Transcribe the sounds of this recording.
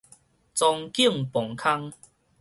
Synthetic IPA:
t͡sɔ˧ŋki˥˨ŋpɔ˨˩ŋkʰa˦ŋ

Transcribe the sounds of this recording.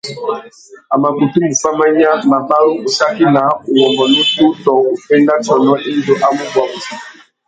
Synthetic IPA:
a˨ma˨bo˨tu˦mu˨fa˦ma˦ɲ˦a˦ma˨ba˦lo˦˨sa˦ki˦na˨˦o˨wɔ˨mbɔ˨no˦tu˦tɔ˨ŋo˨pɛ˦nda˦t͡ʃɔ˨nɔ˦ʔe˦ndo˦ʔa˦mu˦bwa˨i˨

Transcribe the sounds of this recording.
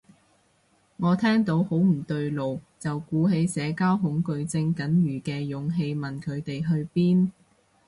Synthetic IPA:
ŋɔː˨˧t̪ʰɛː˥ŋt̪o˨˥who˨˥wm̩˨˩t̪ɵ˧ɥlo˨wt͡sɐ˨wkuː˨˥ɦe˨˧jsɛː˨˧kaː˥wɦʊ˨˥ŋkɵ˧ɥt͡sɪ˧ŋkɐ˨˥njyː˨˩kɛː˧jʊ˨˧ŋɦe˧jmɐ˨nkʰɵ˨˧ɥt̪e˨jɦɵ˧ɥpiː˥n

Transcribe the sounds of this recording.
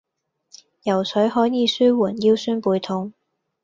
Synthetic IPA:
jɐ˨˩wsʰɵ˨˥jɦɔː˨˥jjiː˨˧syː˥wuː˨˩njiː˥wsyː˥npuː˨˧jt̪ʰʊ˧˥ŋ

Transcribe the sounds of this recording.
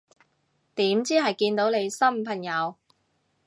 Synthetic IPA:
t̪iː˨˥mt͡siː˥ɦɐ˨˩jkiː˧nt̪o˨˥wne˨˧jsɐ˥m̩˨pʰɐ˨˩ŋjɐ˨˧w

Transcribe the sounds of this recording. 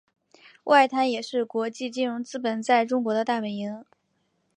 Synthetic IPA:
wʔa˥˩ɪt̪ʰa˧˥njɛ˨˩ʂɻ̩˥˩kwɔ˧˥t͡ɕi˥˧t͡ɕi˥˩nɻʊ˧˥ŋt͡sɹ̩˥pə˨˩nt͡sa˥˩ɪʈ͡ʂʊ˥ŋkwɔ˧˥d̪ə˧t̪a˥˩pə˨˩i˧˥ŋ

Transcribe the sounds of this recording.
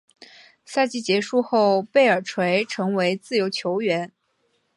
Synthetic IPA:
sa˥˧t͡ɕi˥˩t͡ɕjɛ˧˥ʂu˥˧xo˥˩ʊpe˥˩ɪə˞˨˩ʈ͡ʂʰwe˧˥ɪʈ͡ʂʰɤ˧˥ŋwe˧˥ɪt͡sɹ̩˥˩jo˧˥ʊt͡ɕʰjo˧˥ʊɥɛ˧˥n

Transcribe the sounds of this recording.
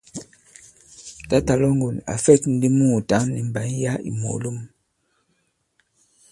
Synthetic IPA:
ta˦ta˨lo˦ŋɡo˨la̰˨fɛ˦kn̩˦di˦mu˦˨ta˨˦ni˨m˨ba˨˦n˦ja˦ḭ˨mo̰˨lu˦˨m

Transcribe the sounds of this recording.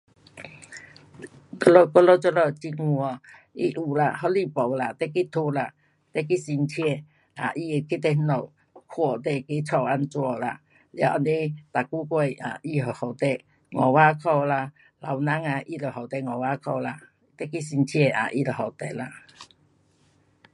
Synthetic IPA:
kɔ˦lɔ˧kɔ˦lɔ˦t͡sɔ˦˧lɔ˧˨t͡ɕi˧ŋŋu˧ɔ˧˨ | i˦ʔu˨˩la˧ɦɔ˦li˧˨pɔ˨wla˧˨t̪ɛ˦ki˦t̪ʰu˧la˧ | t̪ɛ˦ki˦si˧nt͡ɕʰjɛ˧˨ | a̰˨ʔi˧˨ki˦t̪ɛ˧˦nɔ˧˨w | kʰwɔ˧˨t̪̬ɛ˧˨ki˦t͡sʰɔ˧˨wa˧nt͡swɔ˧˨la̰˧˨ | lja̰˧˨a˧˨ni˦t̪a˨ku˦kwɛ˧˨ja̰˨ʔi˧ɦɔ˨˩hɔ˨˩t̪ɛ˧˨ | ŋɔ˨wa˦kʰɔ˧la˧ | la˨wna˧˦ŋa˧˨ʔi˧lə˨˩ɦɔ˨wt̪ɛ˧˨ŋɔ˨wa˦kʰɔ˧˨wla˧˦ | t̪ɛ˦ki˦si˧nt͡ɕʰi˦ɛ˧˨a̰˨ʔi˧˨lə˨hɔ˨˩wt̪ɛ˨la˧˨

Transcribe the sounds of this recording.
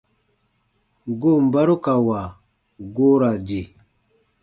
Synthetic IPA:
ɡo˦˨m̩˨ba˦ɾu˦ka˨wa˨ | ɡo˦ɾa˨d͡ʒe˨

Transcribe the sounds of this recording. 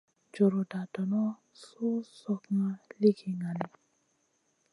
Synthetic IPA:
d͡ʒo˨ɾo˨da˨dɔ˨nɔ˦ | su˦sɔ˨kŋa˦li˦ki˨ŋa˨ni˨

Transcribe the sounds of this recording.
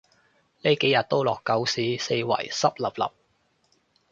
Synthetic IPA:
le˨˥jke˨˥jɐ˨t̚t̪o˥wlɔː˨kːɐ˨˥wsiː˨˥se˧jwɐ̰˨˩jsɐ˥p̚lɐ˨˩p̚lɐ̰˨p̚

